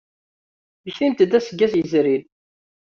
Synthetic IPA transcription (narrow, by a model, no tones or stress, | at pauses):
məçimt̪əd̪æsəɡːæsjəzɾil